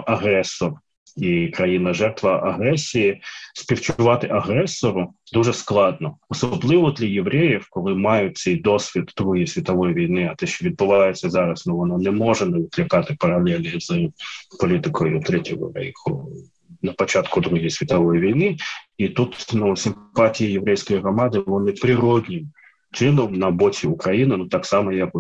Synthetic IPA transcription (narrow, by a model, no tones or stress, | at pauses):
ɐɦɾɛsɔr | ikɾɐjinɐʒɛrt̪ʋɐʔɐɦɾɛsʲijisʲpʲiwt͡ʃʊʋɑt̪ɪʔɐɦɾɛsːɔɾʊd̪uʒɛsklˠɑd̪nɔɔsɔblˠɪʋɔd̪lʲɐjeʋɾɛjiwkɔlˠɪmɑjʊt̪̚ʲsɛjd̪ɔsʲʋʲid̪d̪ɾuɦisʲʋʲit̪ɔʋɔjiʋʲijnɪɐt̪ɛʃt͡ʃɔʋʲid̪̚bʊʋɑjet͡sʲːɐzɑɾɐsnɔʋɔnɔnɛmɔʒɛnɛʋʲɪklʲɪkɑt̪ɪpɐɾɐlʲˠɛlʲnizɨpɔlʲit̪ɪkɔjʊt̪ɾɛtʲɔɦɔ̰ɾɛ̰jkʊ̰ | nɐpɔt͡ʃɑt̪kʊd̪ɾuɦijsʲʋʲit̪ɐʋɔjiʋʲijnɪit̪ut̪nusʲɪmpɑtʲijɐjeʋɾɛjsʲkɔjiɦɾɔmɑd̪ɪlˠɔnɪpɾʲɪɾɔd̪ʲnʲɪm | t͡ʃɪnɔmnɐbɔtʲiʊkɾɐjinɪnut̪ɑksɑmɔjɐk